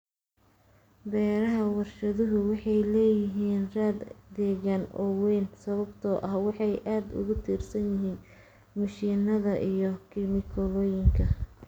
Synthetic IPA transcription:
bɛːɾɐɦɐwɑrʃɐðʊɦʊwɑħɑjlɛːjɪɦiːnraːd̪d̪ɛːɣanɔ̰wɛːnsɐβɐbt̪ʰɔʔɐhwɑħɑjʔaːd̪ʊ̰ɣʊt̪ʰiːrsɐnjɪɦiːn | mɐʃiːnɐðɐʔijɞkʰɪmɪkʰɔlɔːjɪŋkʰɐ

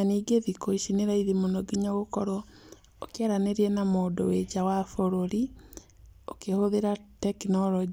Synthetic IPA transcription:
aniːɡeðikoiʃineɾaiðemonoɡiɲaɣokɔɾɔ | okjaɾaneɾiɛnamoːdowed͡ʒawafoɾoɾi | okehoðeɾatɛknɔlɔd͡ʒi

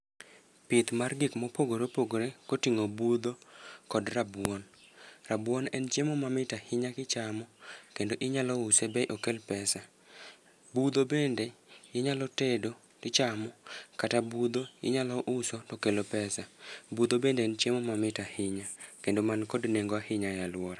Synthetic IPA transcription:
pɪt̪marɡɪkmɔpoɡoɾepoɡoɾekotiŋobud̪okɔdrabwɔnrabwɔnɛnt͡ʃemomamɪtahɪɲakɪt͡ʃamɔkendoʔɪɲalɔʊsebɛʔokelpɛsa | bud̪obendeɪɲalɔtedo | tɪt͡ʃamɔkatabud̪oɪ̰ɲalɔʔʊsɔtokelopɛsabud̪obendent͡ʃemomamɪtahɪɲakendomankɔdneŋɡoahɪɲajalwɔɾa

